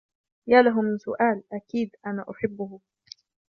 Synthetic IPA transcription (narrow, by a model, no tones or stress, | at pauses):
jaːlaɦʊmɪnsʊʔaːlʔakiːd̪ʔanaːʔʊħɪbːʊhʊ